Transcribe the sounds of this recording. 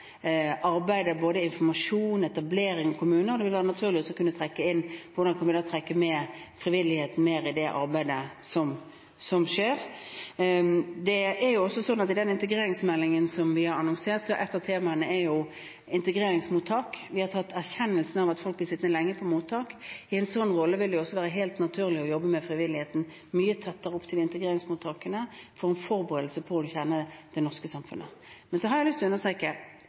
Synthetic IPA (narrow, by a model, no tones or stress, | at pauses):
ʔɑɾbæɪd̪əboːd̪əɪnfɔmɑʂuːnɛt̪ɑbleːɾɪŋɔkʰʊmʉːnəɾɔd̪ɛʋɪlʋæːɾənɑt̪ʰʉːʁlɪɔsɔkʉnʋɪt̪ʰɾɛkːəɪnːʋʊɾɖɑnkʰɑnʋɪd̪ɑːt̪ʰɾɛkːəmɛːfɾɪʋɪlɪheːt̪n̩meːɾɪd̪ɛʔɑ̰ɾbæɪd̪əsɔm | sɔmʂeːɾ | d̪ɛɛɾjʊɔsːɔsɔnːɑt̪ɪd̪ɛnɪnt̪əɡɾeːɾɪŋsmɛlːɪŋənsɔmʋɪhɑɾɑnɔŋseːʁt̪sɔʔɛt̪ːəʁt̪ʰeːmɑənəɛɾjʊ | ɪnt̪əɡɾeːɾɪŋsmuːt̪ʰːɑːkʋɪhɑɾt̪ʰɑt̪ːæʁçɛnːəlsn̩ɑʋɑt̪fɔlk̚b̪ɪsɪt̪nəlɛŋːəpʰɔmuːt̪ʰːɑːkɪɛɪnsɔnːʁɔlːəʋɪld̪ɛɪɔsːɔʋæːɾəɦeɪlt̪nɑt̪ʰʉːʁlɪɔjɔbːəmɛfɾɪʋɪlɪheːt̪n̩ | myːət̪ʰɑt̪ːəɾəɔpt̪ʰɪlɪnt̪əɡɾeːɾɪŋsmuːt̪ʰɑːkənəfɔʁɛnfɔɾbəʁeːd̪l̩səpʰɔɔçɛnəd̪̥ɛnɔʁskəsɑmfʉ̰nʔə̰mɛnsɔɦɑɾjæɪlʏst̪ʰlɔʉnːəst̪ʁeːkə